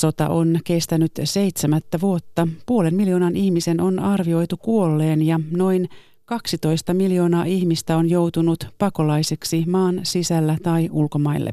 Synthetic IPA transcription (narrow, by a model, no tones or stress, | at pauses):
so̞t̪ɑ̰ʔo̞nke̞st̪ænyt̪se̞jt̪semæt̪ːæʋuo̞t̪ːɑpuolenmiljo̞ːnɑnihmisenʔonɑrʋio̞jt̪ukuolːeːnjɑno̞jn | kɑksit̪o̞ijst̪ɑmiljo̞ːnɑːʔiçmist̪æonjowt̪unut̪pɑkolɑjseksimɑːnsisælːæt̪ɑjʔulkomɑilːḛ